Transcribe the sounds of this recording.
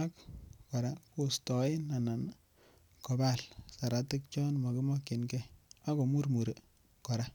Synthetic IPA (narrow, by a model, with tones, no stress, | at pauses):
a˦kkɔ˨ɾa˦ko˨stɔ˨ɪ˦na˨na˨n | kɔ˨ba˦lsa˨ɾa˨te˦k̚t͡ʃɔ˦nmɔ˨kɪ˦mɔ˦kɪ˨nkɛ˦a˦ko˨mu˦rmu˨ɾe˨ | kɔ˨ɾa˦